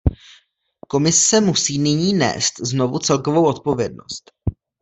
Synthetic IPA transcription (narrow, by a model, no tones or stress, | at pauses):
ko̞mɪsɛmusiːnɪɲiːnɛ̰ːst̪zno̞vut͡sɛlkovowʔo̞t̪̚po̞vjɛdno̞̰st̪